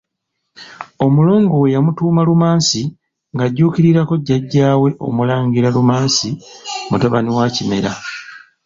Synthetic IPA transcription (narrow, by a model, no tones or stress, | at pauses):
o̞mulo̞ːŋɡowejamutuːmalumaːnsi | ŋɡaɟːuːkiɾiɾako̞ɟːaɟːaːwe̞ʔo̞̰mulaːɲɡiɾalumaːnsimutaβaniwaːcime̞ɾa